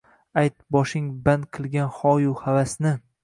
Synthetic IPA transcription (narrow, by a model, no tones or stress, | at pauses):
ajt̪̚bɒʃɪŋband̪qʰɨlˠɡʲanhɒjuhavasnɪ